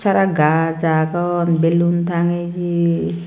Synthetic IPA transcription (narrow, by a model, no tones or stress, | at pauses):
t͡ʃʰaɾaɡad͡ʒakɔnbelunt̪ʰaŋed͡ʒi